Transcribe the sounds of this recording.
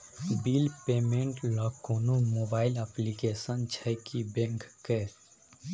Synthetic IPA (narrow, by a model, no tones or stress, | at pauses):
bilpeːmẽɳʈlɔkːoːnomobaːɪləplikesənt͡ʃʰɛkibẽŋkːe